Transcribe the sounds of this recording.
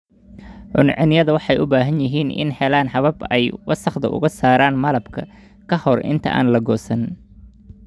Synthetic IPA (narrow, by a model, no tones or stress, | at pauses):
ʕʊnʕɪnɪjɐðɐwɑħɑjʊbaːɦɐnjɪɦiːnʔɪ̰nhɛlaːnħɑβɐbɛjwɐsɐχd̪ɐ̰ʔʊ̰ɣɐsaːɾaːnmɐlɐbkʰɐ | kʰɐhɔrɪ̰nt̪ʰɐ̰ʔa̰ːnlɐɡɔːsɐn